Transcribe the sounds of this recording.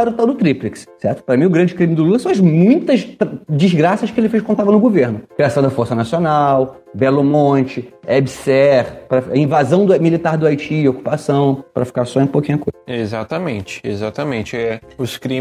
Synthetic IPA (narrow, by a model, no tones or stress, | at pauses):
ɾʊt̪awd̪ʊt̪ɾiplikssɛɾt̪ʊ̥pɾɐmĩj̃ʊɡɾɐ̃d͡ʒɪkɾĩmɪd̪ʊlulɐsɐ̃w̃ɐzmũj̃t̪ɐʃt̪ɾd͡ʒizɡɾasɐʃkɪelɪfeʃkõnt̪avɐnʊɡoveɾnʊkɾiasɐ̃w̃d̪ɐfoɾsɐnasionaw | bɛlomõnt͡ʃɪɛbsɛχpɾɐfɐĩvazɐ̃w̃d̪ʊmilit̪aɾd̪ʊajt͡ʃiːoku̥pasɐ̃w̃pɾɐfi̥kaɾsɔĩpowkĩɲ̃uɐkojzɐezat̪ɐmẽnt͡ʃɪ̥ezat̪ɐmẽnt͡ʃɪɛ | ʊskɾĩ